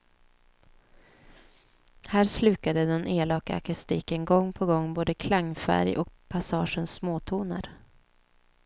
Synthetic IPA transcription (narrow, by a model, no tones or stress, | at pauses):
hæːɾslʉ̟ːkad̪əd̪ɛneːlɑːkaa̰kɵst̪iːkənɡɔŋːpʰɔɡɔŋːboːd̪əkʰlaŋːfæ̰ɾjʔɔ̰kpʰasɑːʂənsmoːt̪ʰuːna̰ɾ